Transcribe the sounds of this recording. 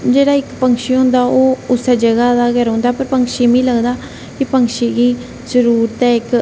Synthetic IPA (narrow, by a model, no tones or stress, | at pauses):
d͡ʒeːɽaːɪkpəŋkʃiːɦʊ̃nd̪aːʔoːʊsed͡ʒəɡaːd̪aːɡəɾɦõːnd̪aːpəɾpəŋkʃiːmĩːləɡd̪aː | kɪpəŋkʃiːɡiː | zəɾuːɾt̪ɛ̃ːɪk